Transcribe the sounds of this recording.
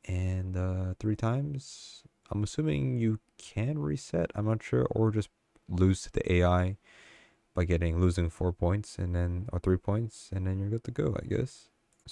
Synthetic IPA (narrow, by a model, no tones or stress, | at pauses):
ʔɨ̃nʌθɹitʰãɪ̃mz̥ʔãɪ̃məsʉ̃mɪ̰̃ŋjɨkʰɨ̃nɹisɛtãɪ̃mnətʃʊ̰ɹʔə˞d͡ʒʌst | lʉz̥tʰðḭʔeɪaɪ | b̥aɪɡɛɾɪ̃ŋlʉzɪ̃ŋfɔɹpʰɔ̃ɪ̃ntsɨ̰̃nðɨ̃nə̰˞θɹipʰɔ̃ɪ̃ntsɨ̃nðɨ̃njə˞ɡõŋtʰɨɡoʊa̰ɪɡɛ̰s